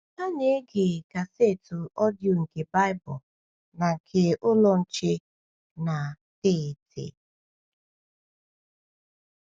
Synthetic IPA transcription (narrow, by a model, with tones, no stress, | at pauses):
a˦ne˨˦ɡe˨ɡa˨se˦˨tu˨ʔɔ˦djo˨ŋ̩˨ke˨ba˦ɪ˦bʊ˨ | na˨kʰe˨ʔʊ˦lɔ˦n̩˨t͡ʃe˦ | na˨ | te˦˨tḛ˨